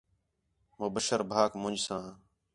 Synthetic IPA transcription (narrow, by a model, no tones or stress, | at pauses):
mõːbəʃəɾbʱaːkmʊ̃ɲd͡ʒsãː